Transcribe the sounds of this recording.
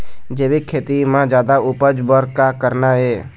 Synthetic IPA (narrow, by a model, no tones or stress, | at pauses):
d͡ʒeːʋikʰːeːt̪imãd͡ʒjaːd̪aʊpəd͡ʒbəɾkakəɾnaɦeː